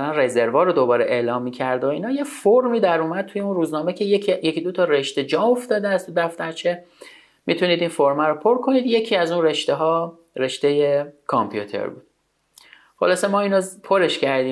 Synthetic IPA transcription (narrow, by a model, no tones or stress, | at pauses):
lænreze̞ɾvɒːɾod̪obɒːɾeʔelɒːmːiːcʰæɾd̪oiːnhɒːje̞foɾmiːd̪æɾuːmæd̪̚t̪ʰuje̞unruːznɒːme̞cʰe̞jeijecid̪ot̪ʰɒːɾe̞ʃt̪e̞d͡ʒɒːmoft̪ɒːd̪eæst̪ʰud̪æft̪æɾt͡ʃʰe̞ | mit̪ʰuniːd̪infoɾmæɾopʰo̞ɾkʰo̞niːd̪je̞cʰiːæzunreʃt̪eɦɒː | ɾeʃt̪e̞jekʰompʰjut̪ʰḛɾbṵːd̪̥̚ | χolɒːsemɒːiːnopʰoɾeʃcʰæɾd̪iː